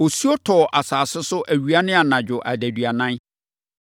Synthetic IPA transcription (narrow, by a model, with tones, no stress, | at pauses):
o˨su˦o˦tʰɔː˨ʔa˨saː˨sɪ˦sʊ˦ʔæ˨ɥu˨˦a˦nɪ̃˦a˨nã˨d͡ʑᶣʊ˨ʔæ˨dæ˨dɥa˨nã˦n